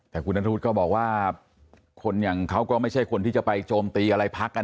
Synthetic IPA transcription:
t̪ɛː˨˩kʰu˧nːʔa˦˥t̪ʰt̪̚kɔː˥˩bɔː˨˩k̚waː˥˩ | kʰo˧nja˨˩ŋkʰa˦˥wkɔː˥˩ma˥˩jt͡ɕʰa˥˩jkʰo˧nt̪ʰiː˥˩t͡ɕa˨˩pa˧jt͡ɕoː˧mt̪iː˧ʔa˧ɾa˧jpʰa˦˥k̚ːa˧

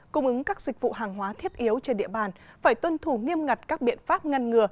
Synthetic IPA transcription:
kʊ˧ŋ͡mʔɨ˨˦ŋkaː˦˥k̚zï˨˩k̟̚vṵ˧˨ɦaː˨˩ŋɦwaː˨˦t̪ʰi˦˥ət̚ʔi˨˦əwt͡ɕe˧nɗḭ˧˨əɓaː˨˩nfaː˧˩jt̪wə˧nt̪ʰu˧˩ŋi˧əmŋa˨˩jt̚kaː˦˥k̚ɓḭ˧˨ənfaː˦˥p̚ŋa˧jŋŋɨ˨˩ə

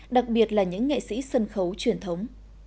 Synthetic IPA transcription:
ɗa˨˩k̚ɓi˨˩ət̚laː˨˩ɲɨ̰˧˥ŋːḭ˧˨sḭ˧˥sə˧nxə˨˦wt͡ɕwi˧˩ənt̪ʰə˨˦wŋ͡m

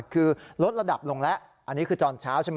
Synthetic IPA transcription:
kʰɯː˧ɾo˦˥t̪̚ɾa˧da˨˩p̚lo˧ŋlɛ˦˥ʔ | ʔa˧nːiː˦˥kʰɯː˧t͡ɕɔː˧nt͡ɕʰaː˦˥wt͡ɕʰa˦˥m

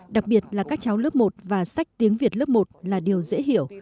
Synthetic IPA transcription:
ɗa˨˩k̚ɓi˨˩ət̚laː˨˩kaː˦˥k̚t͡ɕa˨˦wləː˦˥p̚mo˨˩t̚vaː˨˩sa˦˥jk̟̚t̪i˨˦əŋvi˨˩ət̚lə˦˥p̚mo˨˩t̚laː˨˩ɗi˨˩əwzḛ˧˥ɦḭ˧˨əw

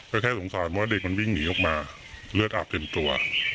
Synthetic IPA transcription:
kɔː˥˩kʰɛː˥˩so˨˩˦ŋsaː˨˩˦npʰwaː˥˩de˨˩k̚ma˧nwi˥˩ŋːiː˩˦ʔɔ˨˩k̚maː˧ | lɯ˥˩ət̪̚ʔaː˨˩p̚t̪e˧mt̪u˧ɐ

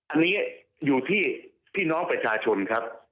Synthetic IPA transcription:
ʔa˧nːiː˦˥ | juː˨˩t̪ʰiː˥˩ | p̪ʰiː˥˩nɔː˦˥ŋpɾa˧t͡ɕʰaː˧t͡ɕʰo˧nkʰɾa˦˥p̚

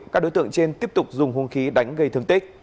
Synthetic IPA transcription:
kaː˦˥k̚ɗo˨˦jt̪ɨ̰˧˨ə˨ŋt͡ɕe˧nt̪i˦˥əp̚t̪ʊ˨˩k͡p̚zʊ˨˩ŋ͡mhu˧nxi˨˦ɗa˨˦jŋ̟ɣə˧jt̪ɨ˨˩ŋt̪ï˦˥k̟̚

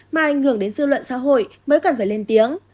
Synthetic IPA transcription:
maː˨ʔa˨˩jŋ̟hɨ˧˩əŋɗe˨˦nzɨ̰˧˨lwə̰˧˨nsa̰ː˧˥ɦo̰˧˨jməː˨˦jka˨˩nfaː˧˩jle˧nt̪i˨˦əŋ

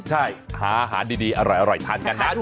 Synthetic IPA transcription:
t͡ɕʰa˥˩jhaː˩˦ʔa˧ɦa̰ː˩˦ndiː˧diː˧ʔa˧ɾɔ˨˩jʔa˧ɾɔ˨˩jt̪ʰaː˧nkka˧nːa˦˥

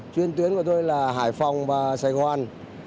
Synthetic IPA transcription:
t͡ɕwi˧ənt̪wi˨˦ənku˧˩ə˩t̪o˧jlaː˨˩ɦaː˧˩jfa˨˩wŋ͡mvaː˨˩saː˧˩jɣwaː˧˩n

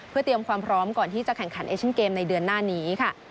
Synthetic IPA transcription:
pʰɯ˥˩ət̪ɾi˧əmkʰwaː˧mpʰɾɔː˦˥mkɔː˨˩nt̪ʰiː˥˩t͡ɕa˨˩kʰɛ˨˩ŋkʰa˩˦nʔeː˧k̚t͡ɕʰːnkeː˧mna˧jdɯ˧ənːaː˥˩niː˦˥kʰa˥˩

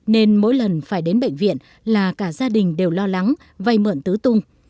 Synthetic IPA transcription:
ne˧nmo̰˧˥jlə˨˩nfaː˧˩jɗe˨˦nɓə̰˧˨jŋ̟vḭ˧˨ən | laː˨˩kaː˧˩zaː˧ɗï˨˩ŋ̟ɗe˨˩wlɔ˧la˨˦ŋ | va˧jmə̰˧˨nt̪ɨ˨˦t̪ʊ˧ŋ͡m

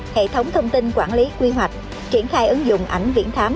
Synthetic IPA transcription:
hḛ˧˨t̪ʰə˨˦wŋ͡mt̪ʰə˧wŋ͡mt̪i˧nkwaː˧˩nli˨˦kwi˧ɦwa˨˩jk̟̚ | t͡ɕi˧˩ənxaː˧jʔɨ˨˦ŋzʊ̰˧˨ŋ͡mʔa˧˩jŋ̟vḭ˧˥ənt̪ʰaː˨˦m

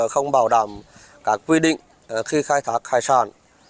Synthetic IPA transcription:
xə˧wŋ͡mɓaː˧˩wɗaː˧˩m | kaː˦˥kːwi˧ɗḭ˧˨ŋ̟ | xi˧xaː˧jt̪ʰaː˦˥k̚xaː˧jsa̰ː˧˩n

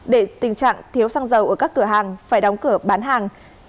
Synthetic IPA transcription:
ɗe˧˩t̪ï˨˩ŋ̟t͡ɕa̰ː˧˨ŋt̪ʰi˨˦əwsaː˧ŋzə˨˩wʔə˧˩kaː˦˥kːɨ˧˩əɦaː˨˩ŋfaː˧˩jɗɔ˨˦wŋ͡mkɨ˧˩əɓaː˨˦nɦaː˨˩ŋ

